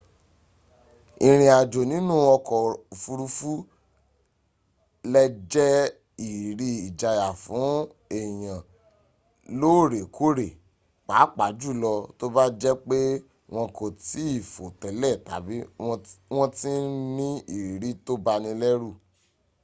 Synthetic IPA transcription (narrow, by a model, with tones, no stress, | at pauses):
ĩ˨ɾ̃ĩ˧a˨d͡ʒo˨nĩ˨˦nũ˦˨wɔ̃˧kɔ˨fu˧ɾu˧fu˦ | lɛ˦d͡ʒɛ˦ | i˨ɾi˧˦i˨d͡ʒa˧ja˨fũ˨˦ | e˨j̃ã˨ | lo˦˨ɾe˨kʰo˦˨ɾe˨ | k͡pa˨˦k͡pa˨˦d͡ʒu˦˨lɔ˧to˦ba˦d͡ʒɛ˦k͡pe˦ | w̃ɔ̃˧ko˨ti˨˦i˦˨fo˨tɛ˨lɛ˦˨ta̰˨bi˦˧w̃ɔ̃˦ti˦nĩ˦i˦˨ɾi˨˦to˦ba˧nĩ˧lɛ˦ɾu˦˨